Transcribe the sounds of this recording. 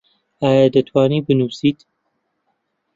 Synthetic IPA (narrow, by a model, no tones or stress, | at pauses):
aːjad̪ɐt̪ʰwaːniːbɨnuːsiːt̪